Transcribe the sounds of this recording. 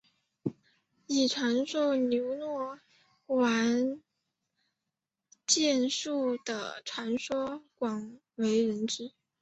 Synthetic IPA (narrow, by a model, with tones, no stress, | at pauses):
i˨˩ʈ͡ʂʰwa˧˥nʂo˥ʊljo˧˥ʊnwɔ˥˩ | wa˧˥n | t͡ɕjɛ˥˧nʂu˥˩d̪̥ə̰˩ʈ͡ʂʰwa˧˥nʂwɔ˥kwɑ˨˩ŋ | we˧˥ɪɻə˧˥nt͡ɕ̩˥